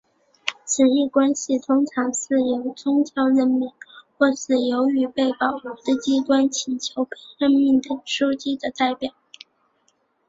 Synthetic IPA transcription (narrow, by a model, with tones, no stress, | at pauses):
t͡sʰɹ̩˨˩i˥˩kwa˥nɕi˨t̪ʰʊ˥ŋʈ͡ʂʰɑ˧˥ŋʂɻ̩˥˩jo˧˥ʊt͡sʊ˥ŋt͡ɕʰjɑ˧˥ʊɻə˥˧nmi˥˧ŋxwɔ˥˩ʂɹ̩˥˩jo˧˥ʊy˧˥pe˥˩ɪpɑ˨˩ʊ˨˩d̪ə˥˧t͡ɕi˥kwa˥nt͡ɕʰi˨˩nt͡ɕʰjo˧˥ʊpe˥ɻə˥˧nmi˥˩ŋd̪ə˩ʂu˥t͡ɕi˥d̪ə˨t̪a˥˩ɪpjɑ˨˩˦ʊ